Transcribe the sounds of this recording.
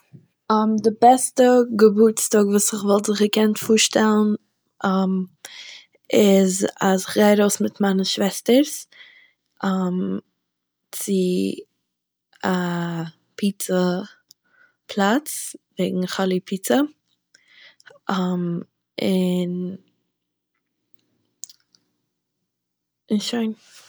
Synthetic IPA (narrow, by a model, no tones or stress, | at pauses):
ɔmdɪbɛstəɡəbut͡stɔːɡvuːsɪχvɔlˠtzɪχəkɛntfuːɾʃtɛlˠn̩ | ɔm | ɪzasɪχɡaɪɾoʊsmɪtmaɪnəʃvɛstəɾs | ɔm | t͡sɪ | a | pʰiːt͡sə | pʰlˠat͡sveɪɡŋ̩χɔlˠipʰiːt͡sə | ɔm | ɪn | ɪnʃoɪn